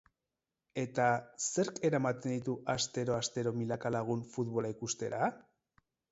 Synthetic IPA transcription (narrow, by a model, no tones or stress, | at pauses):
e̞t̪ase̞ɾke̞ɾamat̪e̞nd̪it̪uast̪e̞ɾo̞ast̪e̞ɾo̞milakalaɣ̞unfut̪βo̞laikust̪e̞ɾa